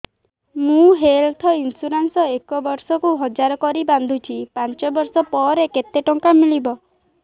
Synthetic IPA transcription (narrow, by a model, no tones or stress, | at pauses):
mũɦelt̪ʰɔinsuɾansɔekɔbɔɾsɔkuɦɔd͡ʒaɾɔkɔɾiband̪ʱut͡ʃʰipant͡ʃɔbɔɾsɔpɔɾeket̪eʈɔŋkamilibɔ